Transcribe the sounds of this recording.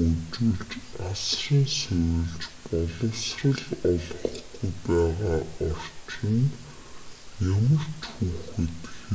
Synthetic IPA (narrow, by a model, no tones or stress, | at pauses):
ɵt͡ɕɘ̆ɮt͡ɕasriːnsewɘ̆ɮt͡ɕpɔɮɞ̆wsrə̆ɮɔɮɞ̆χɡujpæːʁaːɔr̥ʲt͡ɕɘ̆n | jɵmɵ̆r̥t̪xuːxɘ̆t̪x